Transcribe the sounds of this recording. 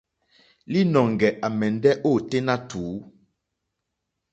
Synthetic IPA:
li˦nɔ˨ŋɡɛ˨ʔa˨mɛ˨n˦dɛ˦ʔo˦˨te˦na˦tuː˨˦

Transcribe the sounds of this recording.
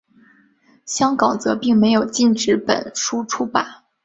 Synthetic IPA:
ɕjɑ˥ŋkɑ˨˩ŋt͡sɤ˧˥pi˥˩ŋme˧˥ɪjo˨˩ʊt͡ɕi˥˩nʈ͡ʂɻ̩˧˥pə̰˨˩nʂu˥ʈ͡ʂʰu˥pa˨˩˦

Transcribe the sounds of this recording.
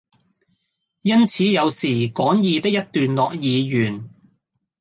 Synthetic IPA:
jɐ˥nt͡sʰiː˨˥jɐ˨˧wsiː˨˩kɔː˨˥ŋjiː˨˧t̪ɪ˥k̚jɐ˥t̚t̪yː˨nlɔː˨k̚jiː˨˧jyː˨˩n

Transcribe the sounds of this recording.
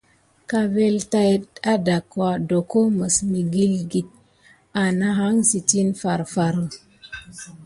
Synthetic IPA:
ka˦ve˦lta˦je˦da˦da˨kwa˨do˨ko˦mə˨smi˨ɡi˦lɡi˨t̚ | a˨na˦ɦa˦ŋsi˨ti˦nfa˨ɾfa˨ɾə˦

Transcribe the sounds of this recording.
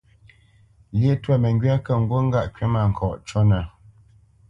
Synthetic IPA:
lje˦twa˦˨mɛ˨ŋɡɥa˦kə˨ŋ̩˦ɡwo˦ŋ̩˦ɡa˦˨ʔkɥɛ˦ma˨ŋ̩˨kʰɔ˨ʔt͡ʃɔ˦na˨

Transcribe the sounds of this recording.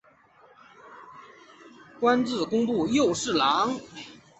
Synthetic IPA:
kwa˥nt͡sɹ̩˥˩kʊ˥ŋpu˥˧jo˥˧ʊʂɻ̩˥˩lɑ˧˥ŋ

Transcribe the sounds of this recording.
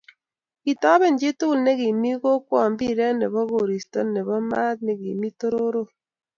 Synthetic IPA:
i˨tɔ˦βe˦˨nd͡ʒi˦tu˦˨lne˦ɣi˨mi˦ɣo˦kwɔ˦˨mbi˦˨ɾɛ˦ne˨βɔ˦ɣo˨ɾi˨sto˦ne˨βɔ˦ma˦t̚ne˨ɣḭ˨mi˦to˦ɾo˦ɾo˦˨

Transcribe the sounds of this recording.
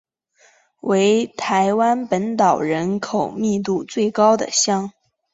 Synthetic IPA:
we˧˥ɪt̪ʰa˧˥ɪwa˥npə˧˥nt̪ɑ˨˩ʊɻə˧˥nkʰo˨˩ʊmi˥˧t̪u˥˧t͡swe˥˩ɪkɑ˥ʊd̪ə̰˨ɕjɑ˥ŋ

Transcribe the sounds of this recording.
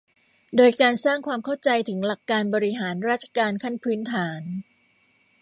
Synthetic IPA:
doː˧jkaː˧nsaː˥˩ŋkʰwaː˧mkʰa˥˩wt͡ɕa˧jt̪ʰɯ˩˦ŋla˨˩kːaː˧nbɔː˧ɾi˦˥ɦaː˩˦nɾaː˥˩t̪̚t͡ɕʰḁ˧kaː˧nkʰa˥˩npʰɯː˦˥nt̪ʰaː˩˦n

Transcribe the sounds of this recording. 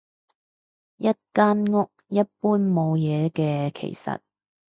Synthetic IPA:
jɐ˥t̚kaː˥nŋʊ˥k̚jɐ˦˥t̚puː˥nmo˨˧wjɛː˨˧kɛː˧kʰḛ˨˩jsɐ̰˨t̚

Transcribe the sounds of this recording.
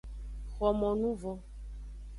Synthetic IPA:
xɔ˨mɔ̃˨nũ˦vɔ˦

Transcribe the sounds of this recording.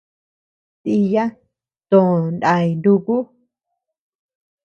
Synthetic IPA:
t̪i˧ja˦ | t̪õ˨˧˨nda˧˨i˧˨nd̪u˧ku˦

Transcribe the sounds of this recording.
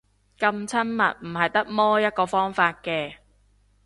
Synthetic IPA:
kɐ˧mt͡sʰɐ˥nmɐ̰˨t̚m̩˨˩hɐ˨jt̪ɐ˥k̚mɔː˥jɐ˥t̚kɔː˧fɔː˥ŋfaː˧t̚kɛː˧

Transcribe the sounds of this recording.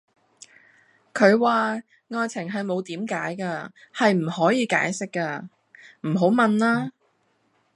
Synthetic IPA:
kʰɵ˨˧ɥwaː˨˧ | ŋɔː˧jt͡sʰɪ˨˩ŋɦɐ˨jmo˨˧wt̪iː˨˥mkaː˨˥jkɐ˧hɐ˨jm̩˨˩hɔː˨˥jiː˨˧ka̰ː˨˥jsɪ˥kːɐː˧ | m̩˨˩ɦo˨˥wmɐ˨nlaː˥

